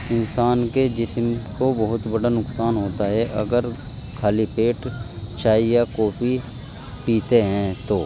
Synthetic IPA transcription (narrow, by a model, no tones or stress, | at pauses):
ɪnsaːnked͡ʒɪsmkobɐɦʊt̪bɐɽanʊksaːnɦoːt̪aɦɛʔɐ̰ɡəɾ | kʰaːlipeːʈ | t͡ʃʰaːijakɔːpi | piːt̪eɦɛ̃ːt̪oː